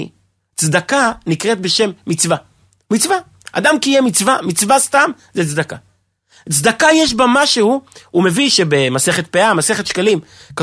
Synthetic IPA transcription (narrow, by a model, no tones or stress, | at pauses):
t͡sd̪akanikʁet̪̚be̞ʃe̞mːit͡sva | mit͡sva | ʔa̰d̪amkijemit͡svamit͡svast̪am | zet͡sd̪aka | t͡sd̪akajeʃ̬bamaʃehuume̞viʃebemase̞χet̪̚peamase̞χet̪ʃkalimka